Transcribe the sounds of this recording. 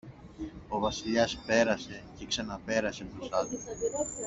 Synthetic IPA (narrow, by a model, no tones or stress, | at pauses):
o̞vɐsiʎɐspe̞ɾɐse̞ce̞ksɐnɐpe̞ɾɐsepɾosɐð